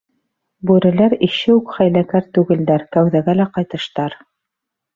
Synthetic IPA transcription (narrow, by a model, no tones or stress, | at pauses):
bʉɾɘ̆læɾĭʃɘʉkχæjlækæɾt̪ʉɡɘ̆ld̪æɾkæwðæɡælæqɑjt̪ɤ̆ʃt̪ɑɾ